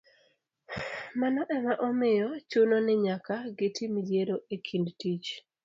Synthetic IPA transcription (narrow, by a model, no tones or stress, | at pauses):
manɔʔɛmaʔɔmɪjɔt͡ʃunonɛɲakaɡɪtimid͡ʒjeɾoʔekʰindtit͡ʃ